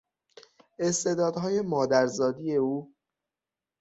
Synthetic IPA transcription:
e̞st̪e̞d̪ɒːd̪ɦɒːje̞mɒːd̪æɾzɒːd̪ije̞uː

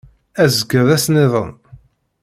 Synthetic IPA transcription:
æzəɡəðˤæsnɪðˤən

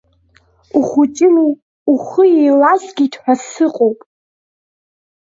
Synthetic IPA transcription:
uχut͡ʃʼɪnu | uχəjejlasɡʲiːtʰħʷᶣasɨqʼowpʼ

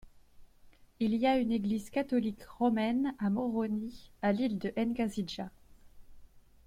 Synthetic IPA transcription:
iliayneɡlizkat̪ɔlikʁɔmɛnamɔʁɔnialild̪əʔɛnkaziʒa

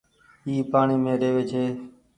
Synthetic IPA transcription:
iːpaːɳiːmẽːɾeːʋeːd͡ʒʰeː

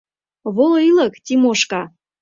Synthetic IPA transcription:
βoloilə̆kt̪ʲimoʃkɑ

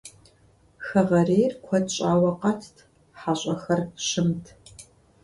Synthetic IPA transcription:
xɐʁɐreːjrkʷʰɔdɕʼaːwɐqɐtʰtʰ | ħaːɕʼɐxɐrɕɪmtʰ

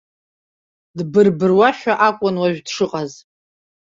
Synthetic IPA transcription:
dbɨrbɨrwaħaʔakʷʼʊnwaɥᶣdʂɨqʼaz

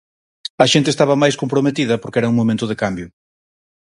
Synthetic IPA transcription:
ɐʃent̪̬est̪aβɐmajskompɾomet̪iðɐpoɾkɛɾɐuŋmomẽnt̪ʊðekambjʊ

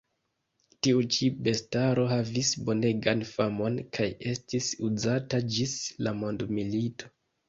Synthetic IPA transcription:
tiut͡ʃibe̞staɾo̞ɦavisbo̞ne̞ɡanfamo̞nkʰaje̞stisuzatad͡ʒislamo̞ndmilito̞̥

